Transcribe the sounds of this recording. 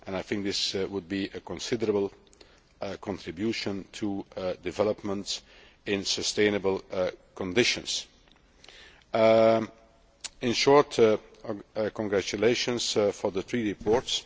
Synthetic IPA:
ʔɛ̃naɪθɪ̃ŋk̚ðɪswʊd̚biʔəkɔ̃nsɪdəɹəbəlˠ | kʰɔ̃ntɹɪbjuʃə̃ntʰudɪvɛləpmə̃nts | ɪ̃nsəstẽɪ̃nəbəlˠkɔ̃ndɪʃə̃ns | ɪ̃nʃɔɹt | kɔ̃ŋɡɹæt͡ʃuleɪʃə̃nsfɔ˞ðəθɹiːɹipʰɔɹts

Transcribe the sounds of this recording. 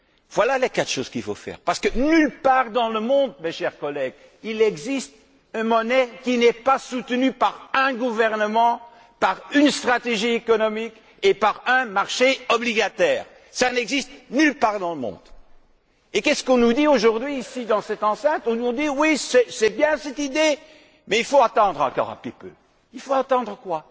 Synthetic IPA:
vwalalekat̪ʃoːz̥kilfo̰fɛ̰ːʁpaʁsə̥kənylpaːʁd̪ɑ̃ləmɔ̃d̪̚meʃɛʁkɔlɛɡ | ilɛɡzist̪ | ɛ̃mɔnɛkʲinɛpasut̪nypaʁɛ̃ɡuvɛʁnəmɑ̃ | paʁynst̪χat̪eʒiekɔnɔmik | epaʁɛ̃maʁʃeɔbliɡat̪ɛːʁ | sanɛɡzist̪nylpaʁd̪ɑ̃ləmɔ̰̃d̪̥ | ekɛsə̥kɔ̃nud̪ioʒuʁd̪ɥiːsid̪ɑ̃sɛt̪ɑ̃sɛ̃t̪χɔ̃ɔ̃d̪iwisɛsɛbjɛ̃sɛt̪id̪e | mɛilfoat̪ɑ̃d̪ʁɑ̰̃kɔ̰ʁa̰pipø̰ | ilfoãt̪ɑ̃d̪ʁəkwa

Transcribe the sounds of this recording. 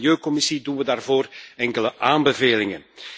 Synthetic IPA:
ljøːkɔmɪsidunʋədaːrvoːrɛŋkələʔaːmbəveːlɪŋən

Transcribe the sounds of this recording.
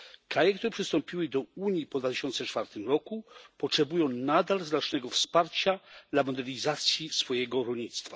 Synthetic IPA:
kɾajɛkt̪uɾɛpʂɘst̪ɔmpʲiwɘd̪ɔuɲjipɔd̪vat̪ɪɕɔnt̪sɛt͡ʂfaɾt̪ɘmɾɔkupɔtʂɛbujɔ̃w̃nad̪alznat͡ʂnɛɡɔfspaɾt͡ɕad̪lamɔd̪ɛɾɲizat̪sʲjisfɔjɛɡɔɾɔlʲɲit̪st̪fa

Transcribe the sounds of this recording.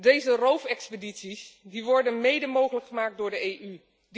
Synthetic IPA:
dejzərowfɛkspeditsisdiʋɔɹdənmejdəmowχələkχəmaːk̚dʊːɹdəejʔy | d

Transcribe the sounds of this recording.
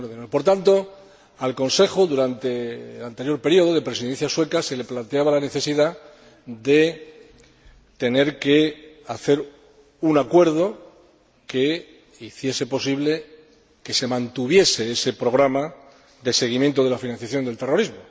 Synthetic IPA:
ɾðenopo̞ɾt̪ant̪o̞ | alko̞nse̞xoðuɾant̪e̞ːlant̪e̞ɾjo̞ɾpe̞ɾio̞ð̞o̞ðe̞pɾe̞siðẽn̟θjaswe̞kase̞le̞plant̪eaβalane̞θe̞siða | ðe̞ | t̪e̞ne̞ɾke̞ | aθe̞ɾ | unakwe̞ɾð̞o̞ | ke̞ | iθje̞se̞po̞siβle̞ | ke̞se̞mãnt̪uβje̞se̞ese̞pɾoɣ̞ɾama | ðe̞se̞ɣ̞imjẽnt̪o̞ðe̞lafinãnθjaθjo̞nd̪elt̪e̞ro̞ɾizmo

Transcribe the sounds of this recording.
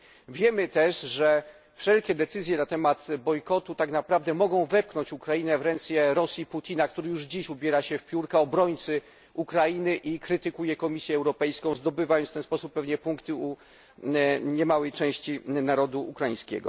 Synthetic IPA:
vʲjɛmɘt̪ɛʂʐɛ | fʂɛlkʲɛd̪ɛt̪sɘzʲjɛnat̪ɛmat̪bɔjkɔt̪ut̪aknapɾavd̪ɛmɔɡɔ̃w̃vɛp̚knɔ̃ɲt͡ɕukɾainɛvɾɛnt̪sʲjɛɾɔsʲjiput̪ʲʰinakt̪uɾɘjuʐd͡ʑiɕubʲjɛɾaɕɛfpʲjuɾkaɔbɾɔɲt̪sɘ | ukɾajinɘʔikɾɘt̪ɘkujɛkɔmʲisʲjɛɛwɾɔpɛjskɔ̃w̃zd̪ɔbɘvajɔ̃ft̪ɛnspɔsupːɛvɲɛpuŋkt̪ɘu | ɲɛmawɛjt͡ʂɛ̃w̃ɕt͡ɕinaɾɔd̪uukɾajĩɲ̃skʲɛ̰ɡɔ̰

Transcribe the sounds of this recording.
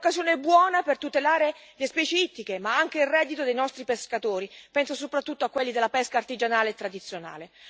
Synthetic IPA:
okːazjoːnebwɔːnapert̪ut̪elaːɾelespɛːt͡ʃeit̪ːikemaaŋk̟eilrɛːd̪ːit̪od̪ejnɔst̪ɾipeskat̪oːɾipɛnsosopɾat̪ːut̪ːoakːwelːid̪elːapɛskaːrt̪id͡ʒanaːleːt̪ːɾad̪it̪sːjona̰ːle

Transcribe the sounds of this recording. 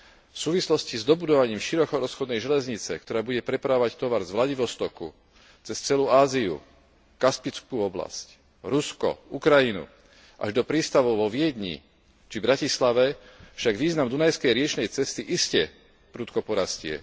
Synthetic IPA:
fsuːʋislɔscizd̪ɔbud̪ɔʋaɲiːmʃiɾɔkɔɾɔsxɔd̪nɛjʒɛlɛzɲit͡sɛ̰kt̪ɔɾaːbuɟɛpɾɛpɾaɔʋact̪ɔʋaɾzʋlaɟiʋɔst̪ɔkṵ | t͡sɛst͡sɛluːaːziṵ | kaspit͡skuːɔbla̰sc | ɾuskɔ̰ukɾajinṵ | ʔa̰ʒd̪ɔpɾiːst̪aʋɔʊʋɔʋɪɛd̪ɲḭ | t͡ʃibɾacislaʋɛfʃaɡʋiːznamd̪unajskɛjɾɪɛt͡ʃnɛjt͡sɛst̪iʔiscɛ | pɾuːt̪kɔpɔɾascɪɛ̰

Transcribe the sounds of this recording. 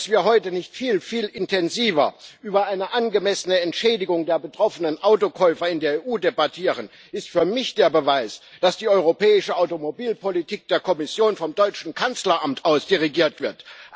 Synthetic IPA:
asv̥iːɐɦɔʏtənɪçtfiːlfiːlɪntʰɛnziːvɐ̰ʔyːbɐʔaɪnəʔanɡəmɛsənəɛntʃɛːdɪɡʊŋdeːɐbətʁ̥ɔfənənʔaʊtokʰɔʏfɐɪndeːɐeːʔuːdebatʰiːʁ̞ən | ʔɪstfyːɐmɪçd̥eːɐbəvaɪsd̥asd̥iːɔʏʁopɛːɪʃəaʊtomobiːlpolitʰiːk̚d̥eːɐkʰɔmɪsjoːnfɔmdɔʏt͡ʃn̩kʰant͡slɐʔamtʔaʊsd̥iʁiɡiːɐtv̥ɪɐt

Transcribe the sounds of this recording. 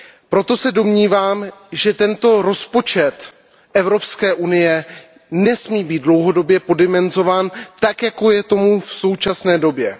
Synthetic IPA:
pɾo̞t̪o̞sɛdo̞mɲiːvaːmʒɛt̪ɛnt̪o̞ɾo̞spo̞t͡ʃɛt̪ | ʔɛvɾo̞pskɛːʔunɪjɛ | nɛsmiːbiːt̪̚dlo̞wɦo̞do̞bjɛpo̞dɪmɛnzo̞vaːnt̪akjako̞jɛt̪o̞mufso̞wt͡ʃasnɛːdo̞bjɛ

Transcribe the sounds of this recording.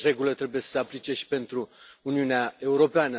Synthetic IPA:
ɾe̞ɡulət̪ɾe̞buje̞sə̥seaplit͡ʃe̞ʃi̥pe̞nt̪ɾuːniuneae̞uɾo̞peanə

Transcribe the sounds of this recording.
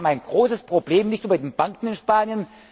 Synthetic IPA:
bm̩aɪnɡʁoːsəspʁ̥obleːmnɪçtyːbɐdeːnb̥aŋkŋ̩ɪnʃpaːnjən

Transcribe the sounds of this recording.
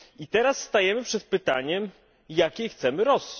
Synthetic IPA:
it̪ɛɾasːt̪ajɛmɘpʂɛt̪̚pɘt̪aɲɛm | jakʲext̪sɛmɘɾɔsːi̥

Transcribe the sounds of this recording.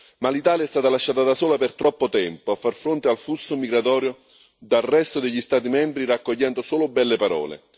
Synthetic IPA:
malit̪aːljaɛst̪aːt̪alaʃːaːt̪ad̪asoːlapɪrt̪ɾɔpːot̪ɛmpoafːarfɾont̪ealfusːomiɡɾat̪ɔːɾjo | d̪alrɛst̪od̪eʎːist̪aːt̪̬imɛmbɾirakːoʎːɛnd̪osoːlʊbɛlːepaɾɔ̰ːlḛ

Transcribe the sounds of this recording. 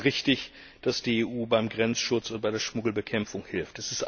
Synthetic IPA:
ʁɪçtɪç | d̥asd̥iːeːʔuːbaɪmɡʁɛnt͡sʃʊt͡sʊnd̚b̥aɪdeːɐʃmʊɡl̩bəkʰɛmfʊŋhɪlftɛsɪstʔ

